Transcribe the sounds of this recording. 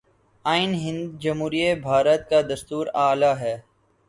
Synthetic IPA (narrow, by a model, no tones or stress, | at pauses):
aːɪnɦɪ̃nd̪d͡ʒɐmɦuːɾiebʱaːɾət̪̚kad̪ɐst̪uːɾaːlaːɦɛː